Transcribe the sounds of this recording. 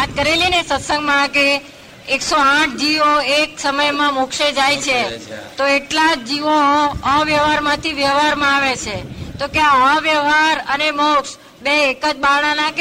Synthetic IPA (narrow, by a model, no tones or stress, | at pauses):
at̪̚kəɾelinesət̪səŋɡmãkeː | ksoaʈ̚ʰd͡ʒiʋoeksəməjmãmokʃed͡ʒajt͡ʃʰet̪oeʈlad͡ʒiʋoə̃ʋjəʋɦaɾmãt̪ʰiʋjəɦaɾmãaʋet͡ʃʰet̪okjãə̃ʋjəɦaɾəneməwʈs | beːkəd͡ʒbaɽ̃ãnak